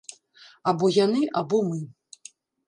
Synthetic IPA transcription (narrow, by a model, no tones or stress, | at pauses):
abɔjanɨʔabɔmɨ